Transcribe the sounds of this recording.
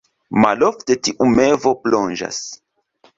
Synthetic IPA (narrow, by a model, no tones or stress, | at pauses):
ma̰loftetiʔumevo̞plond͡ʒa̰s